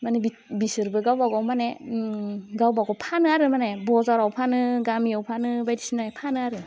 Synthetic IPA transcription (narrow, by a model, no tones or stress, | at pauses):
manɯbi | bisɯɾbɯɡawbaɡawmane | ɡawbaɡawpʰanɯaɾɯmanebɔzaɾawpʰanɯɡamiawpʰanɯbajdisinaepʰanɯaɾɯ